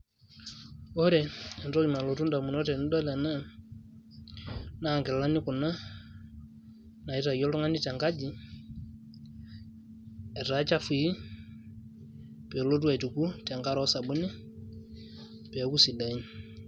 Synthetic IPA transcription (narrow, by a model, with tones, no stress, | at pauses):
ɔ˦ɾɛ˨ɛ˨nɾo˦i˨ma˨lo˨tu˦nda˨mu˨nɔ˦tɛ˨n˦dɔ˦lɛ˨na˦˨ | na˦˨ŋkɛ˨la˦nɪ˦kʊ˨na˦ | na˨i˦ta˨jɔ˦ltɔ˦ŋa˦ni˦tɛ˨ŋɡa˦d͡ʒi˨ | ɛ˨ɾa˦t͡ʃa˦fi˨i˦ | pɛ˨lo˦t̬u˦a˨tu˨ku˦tɛ˨ŋɡa˦ɾɔ˦sa˨bu˦nɪ˦ | pɛ˨˦ku˦si˨da˨ɲ˦